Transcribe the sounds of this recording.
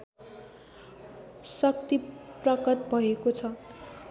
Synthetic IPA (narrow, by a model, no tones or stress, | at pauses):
sʌk̚t̪iprʌkʌt̪̚bʱʌekot͡sʰʌ